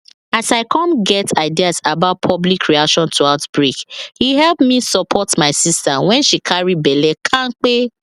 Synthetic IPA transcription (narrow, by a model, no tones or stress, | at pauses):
asaɪkʰɔ̃nɡɛtʰaɪdiasabaʊt̚pʰɔblikʰɹiakʃɔ̃ntʰuaʊtbɹikhihɛlpmisɔpʰɔtmaɪsistawɛ̃nʃikʰaɹibɛlɛkʰãnk͡pe